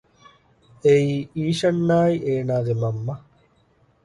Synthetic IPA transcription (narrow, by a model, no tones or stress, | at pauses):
eiːiːʃɐnːaːiʔeːnaːd̪emɐmːɐ